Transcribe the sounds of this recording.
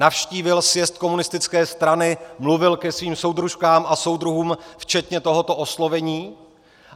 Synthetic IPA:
afʃciːvɪlsjɛst̪̚ko̞munɪst̪ɪt͡skɛːst̪ɾanɪmluvɪlkɛsviːmso̞wd̪ɾuʃkaːmʔaso̞wd̪ɾuɦuːmft͡ʃɛt̪ɲɛt̪o̞ɦo̞t̪o̞ʔo̞slo̞vɛɲiː

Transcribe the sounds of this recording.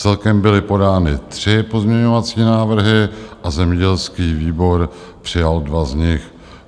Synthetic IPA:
t͡sɛlkɛmbɪlɪpo̞daːnɪt̪r̝̥ɪpo̞zmɲɛɲo̞vat͡siːnaːvr̩ɦɪʔazɛmɲɛɟɛlskiːviːbo̞ɾ | pr̝̥ɪjaldvazɲɪx

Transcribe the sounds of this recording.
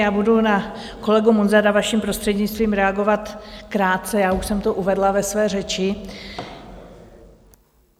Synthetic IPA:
jaːbuduna | ko̞lɛɡumonzaɾavaʃimpɾo̞st̪r̥ɛdɲɪt͡st̪viːmɾɛaɡo̞vat̪kɾaːt̪̚t͡sɛjaːuʃsɛmt̪oʔuvɛdlavɛsvɛːrɛt͡ʃɪ

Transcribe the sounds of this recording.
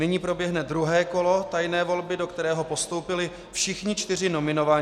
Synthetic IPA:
nɪɲiːpɾo̞bjɛɦnɛd̪ɾuɦɛːko̞lo̞t̪ajnɛːvo̞lbɪdo̞kt̪ɛɾɛːɦo̞po̞st̪o̞wpɪlɪ | fʃɪxɲɪt͡ʃt̪ɪr̝ɪno̞mɪno̞va

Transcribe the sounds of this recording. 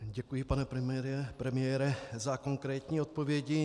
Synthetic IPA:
ɟɛkujɪpanɛpɾɛmɛɾɛpɾɛmɪjɛːɾɛzakoŋkɾɛːt̪ɲiːo̞t̪̚po̞vjɛɟɪ

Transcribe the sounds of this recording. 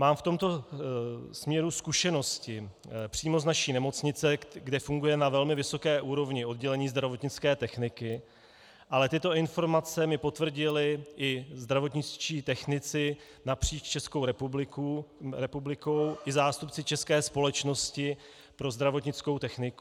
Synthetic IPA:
maːmft̪o̞mt̪o̞ | smɲɛɾuskuʃɛno̞scɪ | pr̥iːmo̞znaʃiːnɛmo̞t͡sɲɪt͡sɛɡdɛfuŋɡujɛnavɛlmɪvɪso̞kɛːʔuːɾo̞vɲɪo̞d̪ɟɛlɛɲiːzd̪ɾavo̞t̪ɲɪt͡skɛːt̪ɛxnɪkɪ | ʔalɛt̪ɪt̪o̞ɪnfo̞ɾmat͡sɛmɪpo̞t̪vr̩ɟɪlɪʔɪzd̪ɾavo̞t̪ɲɪt͡st͡ʃiːt̪ɛxnɪt͡sɪ | napr̥iːt͡ʃt͡ʃɛskowɾɛpublɪkuɾɛpublɪko̞wʔɪzaːst̪upt͡sɪt͡ʃɛskɛːspo̞lɛt͡ʃno̞scɪ | pɾo̞zd̪ɾavo̞t̪ɲɪt͡skowt̪ɛxnɪku

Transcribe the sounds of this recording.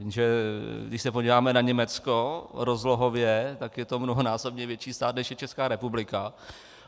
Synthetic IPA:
viːmʒɛɡdɪʃsɛpoɟiːvaːmɛnaɲɛmɛt͡skoɾozloɦovjɛt̪akjɛt̪o̞mnoɦonaːsobɲɛvjɛt͡ʃiːst̪aːt̪nɛʃjɛt͡ʃɛskaːɾɛpublɪka

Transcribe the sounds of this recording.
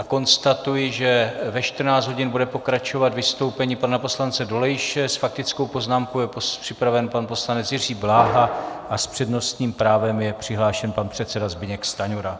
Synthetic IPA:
ako̞nst̪at̪ujɪʒɛvɛʃt̪r̩naːt͡s̪ɦo̞ɟɪnbudɛpo̞kɾat͡ʃo̞vat̪vɪst̪o̞wpɛɲiːpanapo̞slant͡sɛdo̞lɛjɪʃɛsfak̚t̪ɪt͡sko̞wpo̞znaːmkowjɛpopr̥ɪpɾavɛnpanpo̞slanɛt͡sjɪr̝iːblaːɦaʔaspr̥ɛdno̞st̪ɲiːmpɾaːvɛmjɛpr̝̥ɪɦlaːʃɛnpanpr̝̥ɛt̪sɛdazbɪɲɛkst̪aɲuɾa

